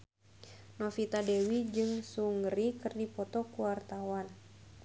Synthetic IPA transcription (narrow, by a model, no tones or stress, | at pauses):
nɔfit̪adɛwid͡ʒɨŋsuŋɾikɨrdipɔt̪ɔkuwart̪awan